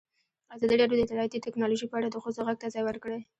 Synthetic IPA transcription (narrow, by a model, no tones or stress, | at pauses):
azɑd̪iɽɑɾjod̪ət̪aɾɑjat̪it̪ɪknɑloʒipəaɽad̪əxəzoɣaɡ̚t̪azɑjwəɾkəɽe